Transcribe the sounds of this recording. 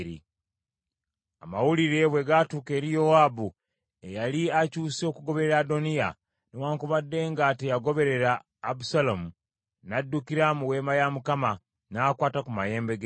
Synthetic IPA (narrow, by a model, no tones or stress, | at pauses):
ɾḭ | a̰mawuliɾe̞βwe̞ɡatuːke̞ːɾijowaːbu | ejaliacuːso̞kuɡo̞βe̞ɾeɾado̞nija | newaːŋkuβadːe̞ːŋɡatejaɡo̞βe̞ɾe̞ɾaː | busalomu | nadːukiɾamuwe̞ːmajamukama | nakwaːtakumaje̞ːmbeɡ